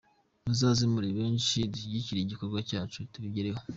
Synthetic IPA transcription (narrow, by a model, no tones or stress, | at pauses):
nuzaːzimuɾiβeːnʃidiiɟiciɾeiɟiko̞ɾɡwacaːt͡ʃutuβiɟeɾeho